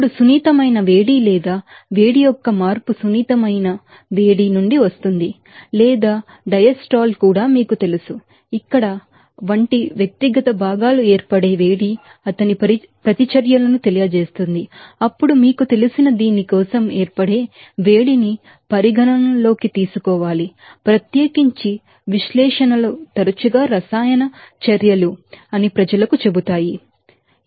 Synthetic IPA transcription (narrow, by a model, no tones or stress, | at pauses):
ɐpuɽusuniːt̪ɐmɐjnɐʋe̞ːɽiːlɛːd̪aː | ʋe̞ːɽijɔkːɐmaːɾpusuniːt̪ɐmɐjnɐ | ʋe̞ːɽiːnuɳɖiʋɐst̪und̪i | lɛːd̪aː | ɖɐjɐsʈaːlkuːɽaːmiːkut̪e̞lusu | ikːɐɽɐ | ʋɐɳʈiʋjɐk̚t̪iɡɐt̪ɐbʱaːɡaːlue̞ːɾpɐɽe̞ːʋe̞ːɽi | ɐt̪ɐniɐ | pɾɐt̪it͡ʃɐɾjɐlɐnut̪elijɐd͡ʒeːst̪und̪iɐpːuɽumiːkut̪e̞lusinɐd̪iːnːikɔːsɐmeːɾpɐɽe̞ː | ʋeːɽini | pɐɾiɡʱɐnɐnɐlo̞ːkit̪iːsukɔːʋaːli | pɾɐt̪jeːkiɲt͡ʃi | ʋiʃlɛːʂɐnɐlut̪ɐɾɐt͡ʃuɡaːɾɐsaːjɐnɐt͡ʃɐɾjɐluɐnipɾɐd͡ʒɐlɐkut͡ʃe̞but̪aːji